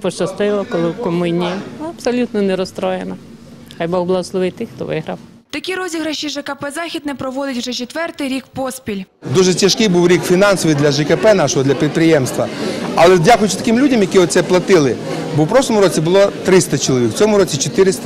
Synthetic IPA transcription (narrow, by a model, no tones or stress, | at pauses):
pɔt͡ʃɐst̪ɪʋɐkɔlˠɪwkɔmʊnʲijɐɐpsɔlʲut̪nɔnɛɾɔst̪ɾɔjenɐ | xajbɔɣblˠaslˠɔʋɪt̪ɪxt̪ɔʋɪɦɾɐw | t̪ɐkʲiɾɔzʲiɦɾɐʃiʒɛkɐpɛzɑxʲid̪nɛpɾɔʋɔd̪ɪtʲwʒɛt͡ʃet̪ʋɛrt̪ɪjɾʲikpɔspʲilʲ | d̪uʒɛtʲɐʃkɪjbuwɾʲikfʲinɑnsɔʋɨjd̪lʲɐʒɛkɛpɛnɑʃɔɦɔdlʲɐpʲit̪̚pɾɪjɛmst̪ʋɐɐlˠɛdʲakʊjʊt͡ʃɪt̪ɐ̥kɪmlʲudʲɐmjɐkʲiɔt̪sɛplˠɐt̪ɪlˠɪ | bɔwpɾɔʃlˠɔmʊɾɔt͡sʲibʊlˠɔt̪ɾɪst̪ɐt͡ʃɔlˠɔʋʲikw̥t͡sʲɔmʊɾɔt͡sʲit͡ʃet̪ɪɾɪst̪